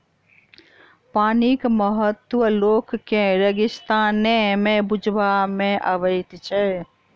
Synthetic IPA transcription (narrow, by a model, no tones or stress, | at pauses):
paːnikməɦət̪ʋəloːkːẽɾəɡɪst̪aːnẽmẽbʊd͡ʒʱʋamẽʔəʋəɪt̪t͡ʃʰeː